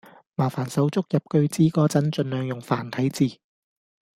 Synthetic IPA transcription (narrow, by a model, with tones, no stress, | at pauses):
maː˨˩faː˨˩nsɐ˨˥wt͡sʊ˥k̚jɐ˨p̚kɵ˧ɥt͡siː˥kɔː˥t͡sɐ˨˥nt͡ʃɵ˧nlœː˨ŋjʊ˨ŋfa̰ː˨˩nt̪ʰɐ˨˥jt͡siː˨˩